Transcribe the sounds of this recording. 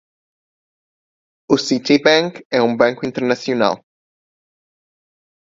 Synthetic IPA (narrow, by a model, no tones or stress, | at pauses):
usit̪ibaŋkɛumbaŋkuint̪eɾnasjuna̰l